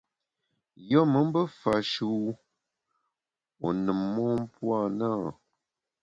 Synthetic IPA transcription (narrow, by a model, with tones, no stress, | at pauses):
jɔ˦mə˨˦m˦bə˦fa˨ʃu˨˦˨ | o˨nɨ˨mːɔ˦m˦pwa˦˨naː˦˨